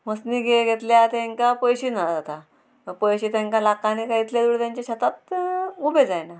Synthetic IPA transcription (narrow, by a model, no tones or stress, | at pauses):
məsniːɡeɡʱet̪ljat̪ẽŋkapəjɕiːnad͡zat̪a | məpəjɕiːt̪ãŋkãlakːanikait̪ljad̪uɽit̪jaɲt͡ɕaɕat̪at̪ubed͡zajna